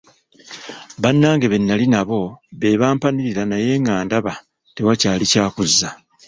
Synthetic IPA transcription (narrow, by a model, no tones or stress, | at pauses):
βanːaːŋɡe̞βe̞nːalinaβo̞βe̞ːβaːmpaniɾiɾanaje̞ːŋaːndaβa | te̞wacaːlicaːkuzːa